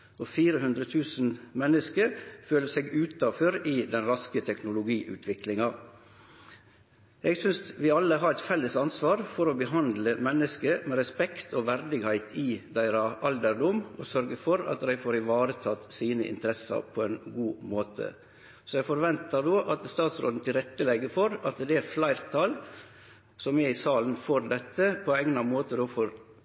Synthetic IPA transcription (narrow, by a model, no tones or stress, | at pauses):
ofiːɾəhʉnd̪ɾət̪ʰʉːsnmɛnːəskəɾføːləsɛɡʉːt̪ɑføːɾɪd̪ɛnɾɑskət̪ʰɛknʊlʊɡiːʔʉ̰ːt̪ʰʋɪklɪŋɑ | ɛɡsʏnsʋɪɑlːəɦɑɾæɪt̪fɛlːəsɑnsʋɑːɾfɔɾobəɦɑnd̪ləmɛnːəskəmɛːɾɛspɛkt̪ʰoːʋæɾd̪ɪɡhæɪt̪ʰɪd̪æɪɾɑʔɑld̪əɾɖ̪ʊmɔ̰sœɾɡəfɔɾɑ̰t̪d̪æɪfoːɾɪʋɑːɾət̪ʰɑːt̪siːnə̰ʔɪ̰nt̪əɾɛsɑ̰ɾpʰɔɛnɡuːmoːt̪ʰə̰ | sɔɛɡfɔɾʋɛnt̪ɑɾd̪oːʔɑt̪st̪ɑːt̪sɾo̰ːd̪n̩t̪ʰɪlɾɛt̪ːəlɛɡəfɔɾɑt̪d̪ɛæɾflæɪɾt̪ʰɑːl | sɔmɛɪsɑːlnfɔɾd̪ɛt̪ːəpʰɔɛŋnɑmoːt̪əd̪oːfɔɾ